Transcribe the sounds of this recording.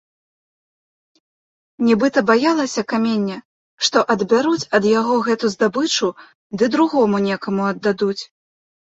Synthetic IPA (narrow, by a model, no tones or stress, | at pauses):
nʲɛbɨt̪ɐbajalˠɐsʲɐkamʲenʲːɐ | ʂt̪ɔʔɐd̪bʲaɾut͡sʲɐd̪jaɣɔɣɛt̪uzd̪abɨt͡ʂu | d̪ɨd̪ɾuɣɔmunʲɛkɐmuɐd̪ːad̪ut͡sʲ